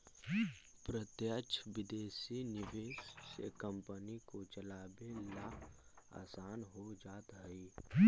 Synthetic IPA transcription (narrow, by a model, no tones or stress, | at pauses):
pɾət̪jət͡ʃʰʋɪd̪eːsinɪʋeːsːḛkə̃mpənikot͡ʃəlaːbelaa̰ːsaːnɦod͡ʒaːt̪ɦəiː